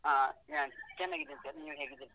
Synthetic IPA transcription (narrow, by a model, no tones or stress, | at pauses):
ajat͡ʃɛnːaːɡid̪ensɐɾniːʋɦeːɡid̪en